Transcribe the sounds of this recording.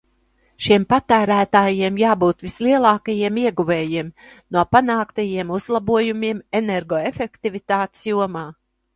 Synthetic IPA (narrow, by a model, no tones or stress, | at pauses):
ʃiɛmpat̪æːɾæːt̪aːjiɛmjaːbuːt̪visliɛlˠɑːkajiɛmiɛɡuveːjiɛmnuɔpanaːkt̪ajiɛmuzlˠabuɔjumiɛmeneɾɡɔefekt̪ivit̪aːt̪sjuɔmaː